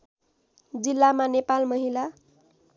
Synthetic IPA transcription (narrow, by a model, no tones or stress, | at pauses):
d͡zilːamanepalmʌɦila